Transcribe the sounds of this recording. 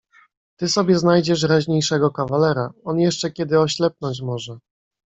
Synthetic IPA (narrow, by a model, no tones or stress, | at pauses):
t̪ɘsɔbʲjɛznajd͡ʑɛʂɾaʑɲejʂɛɡɔkavalɛɾaɔnjɛʂt͡ʂɛkʲjɛd̪ɘɔɕlɛp̚nɔɲt͡ɕmɔʐɛ